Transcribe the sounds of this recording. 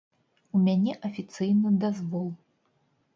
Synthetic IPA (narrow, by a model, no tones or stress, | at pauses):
umʲanʲɛʔɐfʲit̪sɨjnɨd̪azvɔlˠ